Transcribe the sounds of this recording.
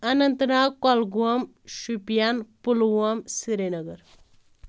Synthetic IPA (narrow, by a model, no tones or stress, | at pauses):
ɐnɐnt̪nakɔlɡuɐm | ʃupijanpulɡuɐmsiɾenɐɡəɾ